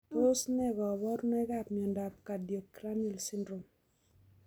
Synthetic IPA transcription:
po˦snɛ˦ɡɔ˨bɔ˦ɾnɛ˦ɡa˦˨pn˨ɔ˨nda˨p̚ka˨dje˨kːɾa˦nɛ˦˨lsɪ˦ndɾo˨m

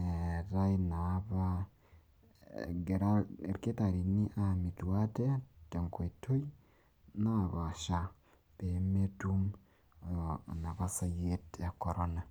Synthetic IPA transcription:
eɾa˦ina˨βa | ɡe˨ɾa˨ɾke˦ta˨ɾi˨ni˦ʔa˦mi˨twa˦te˦te˨ŋko˨i˨to˦i | na˦a˨βa˨ʃa˨ | pe˨metum | na˨βa˦sa˦je˦tja˨koɾona˨

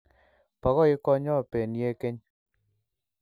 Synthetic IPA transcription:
pa˨ɣɔ˦i˦kɔ˦ɲɔ˦˨pe˨nje˦ke˦ɲ

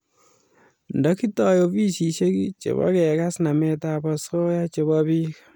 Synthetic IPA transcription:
ndɔ˦ki˦tɔ˨jo˨bi˦si˨ʃe˦ki˦t͡ʃḛ˨βɔ̰˦kɛ˨ka˦sna˨mɛ˦ta˦bɔ˨so˦ja˦t͡ʃe˨βɔbi˦k

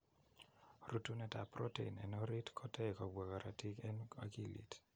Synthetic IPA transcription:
ru˨tu˦nɛ˨ta˨pro˦tḛ˨nɛ̰˨nɔ˦ɾi˦tkʰɔ˦tɛ˦kɔ˨bwa˨ka˨ɾa˨tʰi˦kɛ˦na˦ki˦lḭ˨t

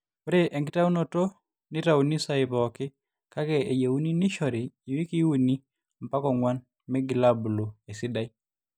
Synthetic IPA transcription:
o˦ɾe˦ʔɛ˨ŋɡɪ˦ta˦u˦no˨to˦ | nɪ˦ta˦˨u˨ni˦sa˦ɪ˨bɔ˨kɪ˦ | ka˦kɛ˦e˨je˨u˦ni˦nɪ˦ʃɔ˨ɾɪː˨wi˦ki˦wu˦ni˦ | m̩˨pa˦kɔ˨ŋwa˦n | mɛ˦ɡɪ˨la˦bu˨lo˨e˨sɪ˦da˦˨i˦

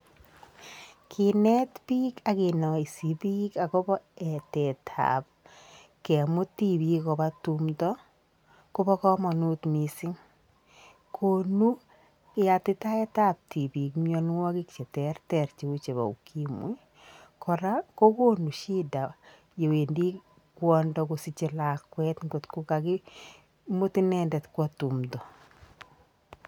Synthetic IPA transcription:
kʰɪ˨nɛ˦tpi˦ka˨kɪ˨nɔ˨i˨si˨bi˦ka˨kɔ˦bɔ˦ɛ˨tɛ˨tʰa̰˨p̚ | kɛ˨mʊ˦ti˦˨bi˦kɔ˨ba˦tu˦mtɔ˦ | ko˦bɔ˦kɔ˦mɔ˨nʊ˦t̪mi˨sɪ˦ŋ | kʰo˨nu˦ | kɪ˦a˨tɪ˦ta˦ɛ˦ta˦p̚tʰi˨bi˨kmjɔ˦n˦wɔ˦kɪ˦kt͡ʃɛ˨tɛrtɛ˨rt͡ʃi˦u˦t͡ʃe˨βa̰˨ṵ˨kʰi˦mwḭ˦ | kʰɔ˨ɾa˦ko˦ko˦nu˨ʃi˦da˨ | je˨we˨ndi˦ | kwɔ˦ndɔ˨ko˨si˨t͡ʃɪ˨la˨kwɛ˦tŋɡo˨tkʊ˦ka˨kɪ˦ | mo˦ti˦nɛ˦ndɛ˨tkwɔ˦tu˨mdɔ˨

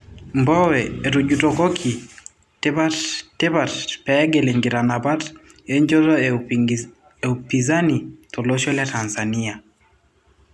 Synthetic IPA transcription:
mbɔ˦wɛːtu˨d͡ʒutɔ˨kɔ˦kʰi˨ | te˦patte˦pa˨tpɛ˦ɡɛ˨le˨ŋɡi˨ɾanaba˦t | e˦ɲd͡ʒɔ˦tɔ˦ | eupiza˦ni˨tʰɔ˨lo˦ʃɔ˦lja˦tansania˨

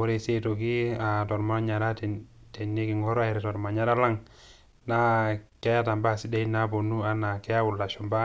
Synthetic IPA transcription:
o˦ɾe˦se˦to˨ki˦a˨tɔ˨ɾma˨˦ɔ˦ɲa˨ɾa˦tte˨ne˦ki˨ŋɡɔ˦ɾa˨i˨ɾe˨tɔ˨ɾma˨ɲa˦ɾa˦la˦ŋ | na˦ke˦ja˦ta˨mba˦˨si˦da˦i˦na˦bo˨nu˦a˦na˨kɛ˦ja˦wu˨lːa˨ʃɔ˨mba˦

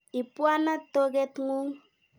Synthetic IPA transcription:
i˨pwa˦na˦to˦ɡe˦tŋu˦ŋ

